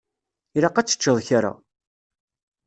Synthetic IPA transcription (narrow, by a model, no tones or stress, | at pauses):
iɾaqat͡sːə̥t͡ʃːəðˤçaɾa̰